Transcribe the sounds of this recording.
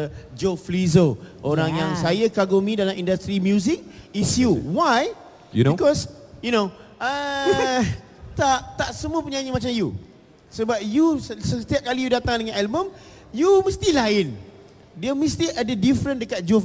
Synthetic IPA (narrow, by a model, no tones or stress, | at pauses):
d͡ʒoflizoʔoɾaŋjaŋsajakaɡumĩdalamĩndast̪ɾimjuzɪk̚isjuwaj | junikɔs | junoʔə | t̪aʔt̪aʔsəmuəpəɲãɲəmat͡ʃamju | səbap̚jussət̪iap̚kalijudat̪aŋdəŋãnalbəm | juməst̪ilaɪn | diəmə̃st̪iʔədədifɾə̃ndəkat̪̚d͡ʒo